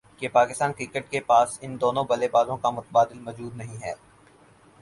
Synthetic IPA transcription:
kepaːkɪst̪aːnkɾiːkəʈ̚kepaːsɪnd̪oːnõbɐlebaːd̪õkamʊt̪əbaːd̪ɪlmɔːd͡ʒuːd̪nɐɦĩɦɛː

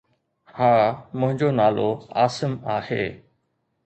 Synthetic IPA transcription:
hãːmʊ̃ɦɪ̃ɲd͡ʑonaːloaːsəmaːhḛː

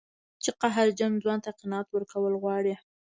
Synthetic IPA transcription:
t͡ʃeqaɦaɾd͡ʒamd͡zwɑnt̪aqɪnɑɑːt̪wəɾkawəlɣwɑɽi

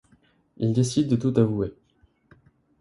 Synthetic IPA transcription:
ild̪esid̪̚ːət̪ut̪avue

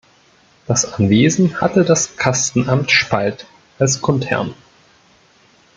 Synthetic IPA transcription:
d̥asʔanveːzn̩ha̰tədaskʰastn̩ʔamtʃpʰalt | ʔalskʰɔntʰɛ̰ɐn

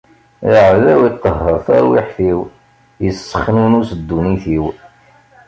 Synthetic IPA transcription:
jəʕðæwit̪ˤːəɦːəɾˤθæ̰ɾwḭħθiw | jəsːə̥χnunusəd̪ːuniθiw

